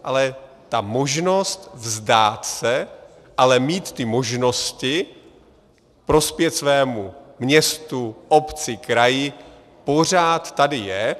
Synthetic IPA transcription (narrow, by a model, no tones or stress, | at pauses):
ʔalɛ | t̪amo̞ʒno̞st̪vzdaːt̪sɛ | ʔalɛmiːt̪ːɪmo̞ʒno̞scɪ | pɾo̞spjɛt̪svɛːmumɲɛst̪uʔo̞pt͡sɪkɾajɪ | po̞r̝aːt̪ːadɪjɛ